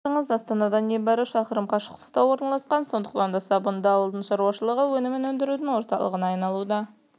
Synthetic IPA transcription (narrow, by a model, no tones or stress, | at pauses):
əɴəzɑst̪ɑnɑd̪ɑnebɑɾɪʃɑqəɾəmqʰɑʃə̥qt̪ə̥qt̪ɑwo̞ɾnɑlˠɑsqɑnso̞nd̪ə̥qt̪ɑnd̪ɑsɑbʊnd̪ɑwəlˠd̪əɴʃɑɾuɑʃəlˠəʁəwɵnɪmɪnɵnd̪ɪɾud̪ɪŋwo̞ɾt̪ɑlˠə̰ʁənɑːjnɑlˠud̪ɑ